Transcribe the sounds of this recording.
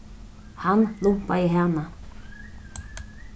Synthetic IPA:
hanluŋpajɪɦaːna

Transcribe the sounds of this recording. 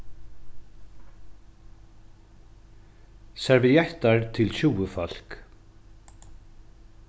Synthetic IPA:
sɛɾvɪjɛht̪aɹt̪ʰɪlɕuwəfɔl̥k

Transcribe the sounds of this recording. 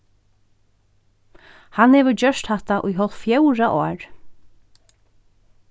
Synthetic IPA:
hanhɛːʋəd͡ʒœʂt̪hɛht̪aʔʊ̰jɦɔlt̪fjœwɹaʔɔːɹ

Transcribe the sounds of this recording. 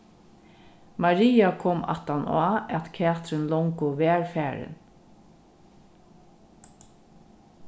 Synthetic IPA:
maɹiːakʰɔma̰t̪ana̰ːɛt̪kʰɛːt̪ɾɪnlɔŋkʊʋɛːɹfɛːɹɪ̰n

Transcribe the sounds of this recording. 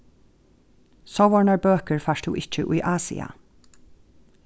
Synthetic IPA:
sɔwʋɔɹɳɑbøːkəɹfɑʃt̪ṵːʔɪc͡çəʔḭːʔɑːsɪ̰ɑ̰

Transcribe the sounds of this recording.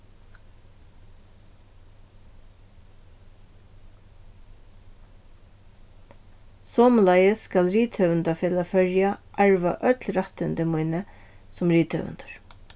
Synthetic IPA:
sɔːmlajəsːkalɾiːt̪hœvənt̪afeːlafœɹjaʔaɹʋa̰ʔœt̪lɾaht̪ənd̪əmujnə | sʊmɾiːt̪hœ̰ʋə̰nt̪ə̥ɹ

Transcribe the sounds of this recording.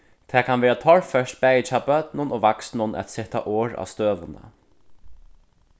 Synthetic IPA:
t̪ʰɛːkʰanvɛːɾat̪ʰɔɹfœʃt̪pɛːjɪt͡ʃaːbœt̪nʊnoːvaksnʊnɛ̰t̪sɪht̪a̰ʔɔːɹa̰ːwst̪øːʋənə̰

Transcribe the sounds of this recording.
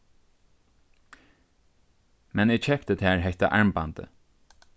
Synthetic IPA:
mɛniːt͡ʃʰɛkt̪ət̪hæːɹɦɛɪt̪ə̰ʔɑɹmbɑnd̪ə̰

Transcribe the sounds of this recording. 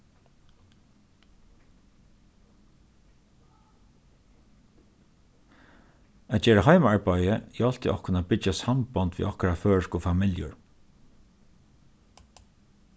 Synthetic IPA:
at̪̚t͡ʃɛːɹaɦajmaɹpajəjɛɔl̥t̪ɪʔɔhkʊnaːpɪt͡ʃasampant̪ʋḭʔɔhkaɾaføːɹskʊfamɪljʊ̰ɹ

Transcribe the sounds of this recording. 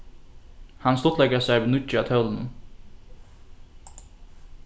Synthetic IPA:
hɑnst̪ɔt̪lɛɡəsæɪbənʉt̪əɑt̪ʰœːln̩

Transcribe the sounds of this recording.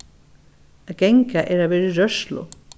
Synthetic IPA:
ɡɛŋkaʔɛːɾavɛːɾɪɾœʃlʊ̰

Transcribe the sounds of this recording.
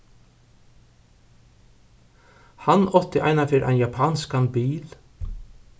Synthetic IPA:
hanɔt̪ɪʔa̰jnafɪːɾʔa̰jnjapʰaːnskanbiːl

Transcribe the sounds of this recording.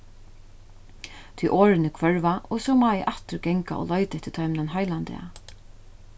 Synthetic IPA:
t̪ʰiʔoːɾɪnɪkʰʋœɹvaʔɔsɔmaːɛʔaht̪ɪɾɡɛŋka̰ɔ̰lɔjt̪ɛht̪ʰːɪt̪ʰajmnanɦajlant̪ɛ̰a̰

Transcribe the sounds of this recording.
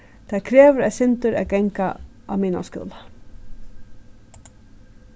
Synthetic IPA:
t̪ʰakʰɾeːʋʏɾɛðsɪnt̪ʏɾɛ̰ðɡɛŋka̰ʔa̰wmiːna̰skʏ̰ːla

